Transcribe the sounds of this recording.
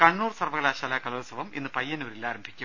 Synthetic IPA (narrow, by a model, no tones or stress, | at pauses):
kɐɳːuːrsɐrʋɐɣɐlaːɕaːlaːkɐloːsɐʋɐmḭnːɨpɐjːɐnoːɾilaːɾɐmbʱikʲːum